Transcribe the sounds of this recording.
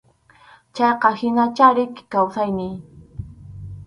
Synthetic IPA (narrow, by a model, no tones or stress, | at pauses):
t͡ʃɑjqɑhɪnat͡ʃaɾɪkkawsajnɪj